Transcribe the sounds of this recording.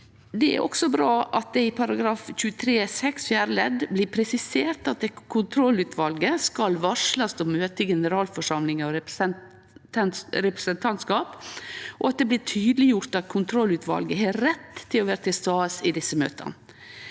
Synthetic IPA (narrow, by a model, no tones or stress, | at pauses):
d̪ɛæ̰ɾʔɔ̰ksɔbɾɑːʔɑt̪̚d̪ɛɪpʰɑɾɑɡɾɑːfc͡çʉːət̪ʰɾeːsɛksfjæːɾəlɛd̪blɪːpʰɾɛsɪseːɾt̪ɑt̪̚d̪ɛkʰʊnt̪ʰɾɔlʉːt̪ʰʋɑlɡəskɑlʋɑʂlɑsd̪ɔmøːt̪əɡɛnəɾɑːlfɔʂɑmlɪŋəɔɾ | ɾɛpɾɛ̥sənt̪ʰɑnt̪skɑːpʔɔɑt̪̚d̪ɛblɪːʈʰyːd̪lɪjʊɾt̪ɑt̪̚kʰʊnt̪ʰɾɔlːʉːt̪ʋɑ̰lɡəɦæɾɛt̪ʰːɪlɔʋæːɾət̪ɪlst̪ɑːsɪd̪ɪsːəmø̰ːt̪ʰə̰n